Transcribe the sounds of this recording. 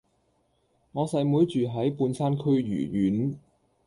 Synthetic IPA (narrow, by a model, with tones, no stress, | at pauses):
ŋɔː˨˧sɐ˧jmuː˨˥jt͡ʃyː˨ɦɐ˨˥jpuː˧nsʰaː˥nkʰɵ˥ɥjy̰ː˨˩jyː˨˥n